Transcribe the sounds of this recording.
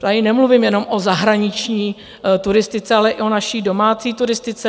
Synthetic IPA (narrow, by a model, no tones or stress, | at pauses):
t̪aɪnɛmluvɪmjɛno̞mʔozaɦɾaɲɪt͡ʃɲiː | t̪uɾɪst̪ɪt͡sɛalɛʔɪʔo̞naʃiːdo̞maːt͡siːt̪uɾɪst̪ɪt͡sɛ